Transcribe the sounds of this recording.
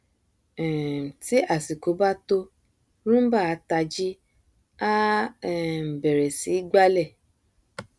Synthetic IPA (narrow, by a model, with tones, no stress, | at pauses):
ɛ̃˨ti˦a˦˨si˨ko˨˦ba˦to˧ | ɾũ˦ba˦˨a˧ta˧d͡ʒi˦ | a˦˨ | m̩˨bɛ˨ɾɛ˨si˨˦ɡ͡ba˦lɛ˦˨